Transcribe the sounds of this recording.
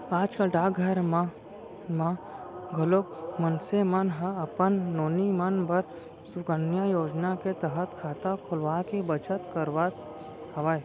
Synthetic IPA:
aːd͡ʒkaɖaːɡɡʱɐɾma | mãɡʱəlok̚mənsemənɦəɐpənːoːnimənbəɾ | sʊkənjajoːd͡ʒnaket̪əɦət̪kʰaːt̪akʰʊlʋaːkebət͡ʃət̪kəɾʋat̪ | hɐʋae

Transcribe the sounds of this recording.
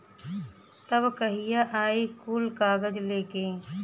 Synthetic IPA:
t̪ɐbkɐɦijaʔaːikuːlkaːɡəd͡ʒleːkeː

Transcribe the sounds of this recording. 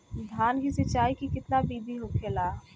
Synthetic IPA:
d̪ʱaːnkisət͡ʃaːikikɪt̪nabiːb̪ʱiɦokʰeːlaː

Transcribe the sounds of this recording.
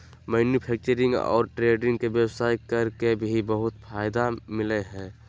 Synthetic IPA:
mɛːnjupʰɛːk̚t͡ʃəɾɪ̃ŋɡɔ̰ːɾʈɾeːɖɪ̃ŋɡkeʋjəwsaːjkɐɾkebʱibəɦʊt̪fʰaːjd̪amɪleɦɛ̃ː

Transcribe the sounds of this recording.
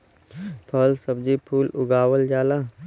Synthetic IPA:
pʰəlsəbd͡ʒipʰuːlʊ̰ɡaːwəld͡ʒaːla

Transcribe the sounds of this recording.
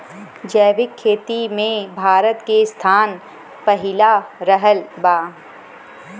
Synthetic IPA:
d͡ʒɛːʋɪkʰːeːt̪imẽbʱaːɾət̪kest̪ʰaːn | pəɦɪlaɾəɦəlbaː

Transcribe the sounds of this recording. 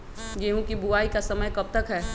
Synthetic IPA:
ɡeːɦũkibʊaːikasɐməjkɐb̚t̪əkɦɛː

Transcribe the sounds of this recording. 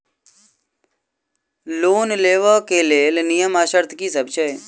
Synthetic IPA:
loːnleːʋaːkeleːlnɪjəmaːʃəɾt̪ʰkiːsəbt͡ʃəe

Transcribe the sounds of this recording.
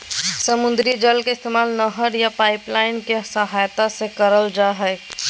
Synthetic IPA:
səmund̪ɾid͡ʒəlkeɪst̪emaːlnəɦəɾjapaɪplaɪnkesəɦajt̪asekəɾəld͡ʒaɦɛɪ

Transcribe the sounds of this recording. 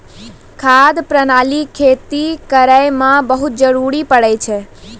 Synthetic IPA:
kʰad̪pɾənaːlikʰet̪ikəɾajmãbəɦut̪̚d͡ʒəɾuɾipəɽɛt͡ʃʰe

